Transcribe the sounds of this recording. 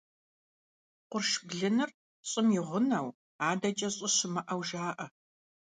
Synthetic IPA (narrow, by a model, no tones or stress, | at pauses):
qʷʊrʃbɮɨnɨr | ɕʼɪmjɪʁʷʊnɐw | aːdɐt͡ʃʼɐɕʼɪɕɪmɐʔɐwʒaːʔɐ